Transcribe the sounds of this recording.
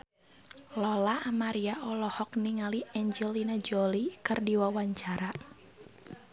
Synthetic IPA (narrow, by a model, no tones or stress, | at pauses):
lɔlaamaɾiaʔɔlɔhɔk̚niŋaliɛɲd͡ʒɛlinad͡ʒɔlikɨrdiwawaɲt͡ʃaɾa